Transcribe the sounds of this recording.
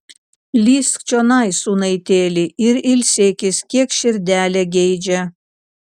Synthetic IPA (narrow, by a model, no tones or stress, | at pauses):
lʲiːsk̚t͡ʃonɑjsuːnɐɪt̪ʲeːlʲɪʔɪɾɪlʲsʲeːkʲɪsʲkʲiɛkʃʲɪɾʲd̪ʲæːlʲɛɡʲɛjd͡ʒʲɛ